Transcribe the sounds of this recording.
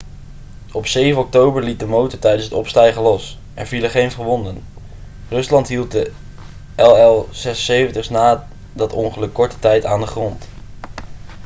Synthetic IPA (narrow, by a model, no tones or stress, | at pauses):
ɔpsejvənɔk̚towbəɹlit̚dəmowtətɛjdənsɦətɔpstɛjχəlɔs | ʔɛ̰ɹviləχejnfχəɹʋɔndən | rɵslɑntɦilˠt̚də | ʔɛlˠɛlˠz̥ɛsəsejvəntəχsnaː | dɑtɔŋχəlɵkːɔɹtə̥tɛjtaːndəχrɔnt